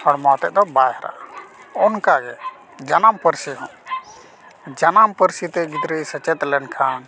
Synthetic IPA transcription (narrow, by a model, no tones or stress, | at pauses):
ɔɾmɔt̪ɛʔ̚d̪ɔbajɦɾa̰ʔɔnkaɡɛ | d͡ʒənampəɾsiɦɔ̃ | d͡ʒanampəɾsit̪ɛɡit̪ɾəjsət͡ʃɛt̪lɛnkʰan